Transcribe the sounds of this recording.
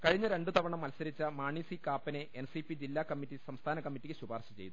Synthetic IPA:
kɐɻiɲːɐɾe̞ɳɖut̪ʰɐʋɐɳɐmɐlsɐɾit͡ɕːɐmaːɳiːsikaːpːɐneʔensipid͡ʑilːaːkɐmːitːisɐmst̪ʰaːnɐkɐmːitːikːɨɕubaːrɕɐt͡ɕe̞jt̪u

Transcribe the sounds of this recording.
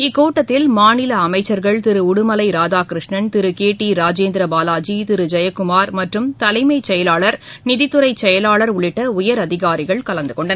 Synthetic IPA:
ɪkːoːʈːɐt̪ːɪlmaːnɪlɐːmɐɪt͡ʃːɐɾɣɐɭt̪ɪɾɯʊɽɯmɐlɐɪɾaːðaːkɪɾɯʂɳɐnt̪ɪɾɯkeːʈːiɾaːd͡ʒeːnd̪ɾɐbaːlaːd͡ʒit̪ɪɾɯd͡ʒɐjɐkːʊmaːɾmɐʈrɯmt̪ɐlɐɪmɐɪt͡ʃɛjɐlaːɭɐɾ | nɪðɪt̪ːɯɾɐɪt͡ʃːɛjɐlaːɭɐɾʊɭɪʈːɐʊjɐɾɐðɪɣaːɾɪɣɐɭkɐlɐnd̪ɯkɔɳɖɐn

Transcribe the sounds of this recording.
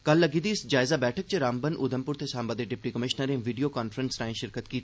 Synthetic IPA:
kɐlːəɡid̪iːɪsd͡ʒaːɪzabɛːʈʰək̚t͡ʃeɾaːmbənʔʊːd̪əmpʊɾt̪ʰesãːmbad̪eɖɪp̚ʈikəmɪʃnəɾẽʋiːɖijokaːnfɾənsɾãːĩʃɪɾkət̪kiːt̪ː

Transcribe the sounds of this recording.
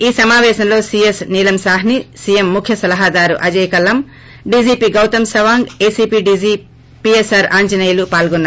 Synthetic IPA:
iːsɐmaːʋɛːʃɐmlo̞ːsiesniːlɐmsaːɦnisiemːukʰjɐsɐlɐɦad̪aːɾṵʔɐd͡ʒɐjkɐlɐm | ɖiːd͡ʒiːpiɡɐwt̪ɐmsɐʋaːŋɡeːsiːpiːɖiziː | piesaːɾaːɲd͡ʒɐnɐjɐlupaːlɡonːaɾ

